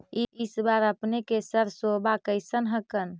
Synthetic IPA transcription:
iisbaɾəpnekesəɾsobakəɪsənɦəkən

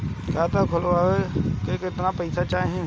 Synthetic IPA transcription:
kaːt̪akʰʊlaːʋekekɪt̪napɐɪsat͡ʃaːɦẽ

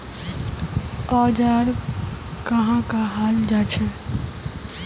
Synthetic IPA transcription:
ɔd͡ʒaɾ | kəɦãkaɦald͡ʒat͡ʃʰɛ

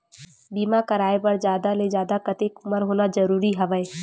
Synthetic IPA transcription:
biːmakɐɾaːepɐɾd͡ʒjaːd̪aled͡ʒaːd̪akɐt̪ekʊməɾɦoːnazɐɾuːɾiɦɐʋəe

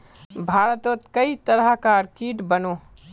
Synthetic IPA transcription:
bʱaːɾət̪ot̪kɐit̪əɾəkaɾkiːʈbənoː

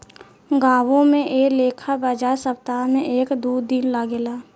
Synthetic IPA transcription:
ɡaːʋõmẽʔeːleːkʰabəd͡ʒaːsəp̚t̪aːmẽʔeːkd̪uːd̪inlaɡeːlaː

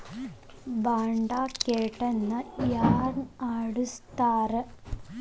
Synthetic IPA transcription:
baːɳɖakeːʈːenːɐjaːrnaːɽust̪aːrɨ

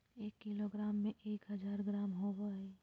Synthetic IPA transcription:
eːkːiloɡɾaːmːẽʔeːkɦəd͡ʒaːɾɡɾaːmɦobə

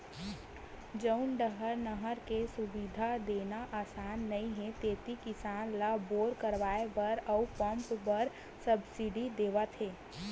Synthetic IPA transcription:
d͡ʒəʊnɖəɦəɾnəɦəɾkesʊbid̪ʱad̪eːnaʔaːsaːnːəĩɦẽt̪eːt̪ikɪsaːnlaboːɾkəɾʋaːebəɾəupə̃mpbəɾ | səbsiɖid̪eːʋat̪ʰeː

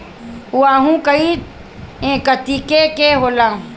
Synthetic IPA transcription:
uaːɦũkəit̪ | ẽkət̪ikekeɦoːlã

